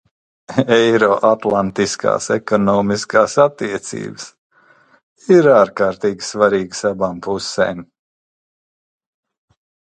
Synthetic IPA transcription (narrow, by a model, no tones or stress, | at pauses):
ɛjɾɔʔat̪lˠant̪iskʰa̰ːsɛkɔnɔːmiskaːsat̪ːiɛt̪sḭːbs | iɾaːɾkaːɾt̪iːɡʲi̥svaɾiːɡsabaːmpusḛːm